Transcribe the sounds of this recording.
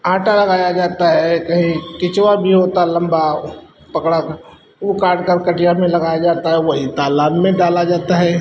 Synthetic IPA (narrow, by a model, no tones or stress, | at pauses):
ãːʈalɐɡaːjad͡ʒaːt̪aɦɛkɐɦĩkɪt͡ʃwabʱiɦoːt̪aɦɛlɐ̃mba | pɐkɽa | ukaːɾɖkəɾkɐʈijamẽlɐɡaːjad͡ʒaːt̪aɦɛʋɐɦit̪aːlaːmːẽɖaːlad͡ʒaːt̪aɦɛː